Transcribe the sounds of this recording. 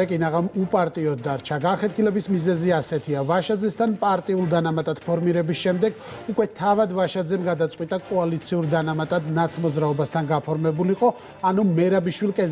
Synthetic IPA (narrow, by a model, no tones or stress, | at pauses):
ɛkʼinaʁamupʼaɾt̪ʼiɔd̪ːaɾt͡ʃʰaɡanχɛt̪̚ʰkʰilɛbismizɛziasɛt̪ʰiavaʃad̪zɛst̪ʰanpʼaɾt̪ʼiulˠd̪anamat̪ʼad̪̥pʰɔɾmiɾɛbisʃɛmd̪ɛɡ | ukʼwɛt̪ʰavad̪vaʃad̪zɛmɡad̪at̪sʼqʼwit̪ʼakʼɔalit̪sʰiuɾd̪anamat̪ʼad̪nat̪sʰmɔd̪zɾaɔbast̪ʰanɡapʰɔɾmɛbuliqʼɔ | anumɛɾabiʃwilkʼɛz